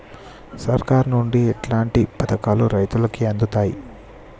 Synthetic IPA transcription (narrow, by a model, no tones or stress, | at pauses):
sɐɾkaːɾnuɳɖiɛʈlaːɳʈipɐt̪ɐkaːluɾɐjt̪ulɐkiɐnd̪ut̪aːjḭ